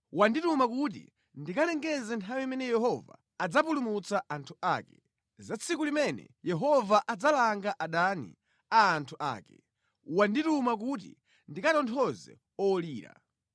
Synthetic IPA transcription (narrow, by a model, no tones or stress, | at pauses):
wanditumakut̬ḭ | ndikalɛŋɡɛzɛntʰawiimɛnɛjɛhɔva̰ːd͡zapulumut͡saʔantʰuaːkɛ̥ | zat͡sʰikulimɛnɛ̰jɛɦɔvaʔad͡zalaŋɡaʔaɗanḭ | aːntʰuʔa̰ːkɛ | wanditumak̬ut̬ḭ | ndikatɔntʰɔzɛ̰ | ɔliːɾa̰